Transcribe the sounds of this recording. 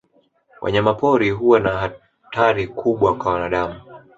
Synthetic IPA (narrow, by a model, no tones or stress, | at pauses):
wʔa̰ɲamapɔɾiɦuwanaɦa | tʰaɾikʰuɓwakwawanaɗamu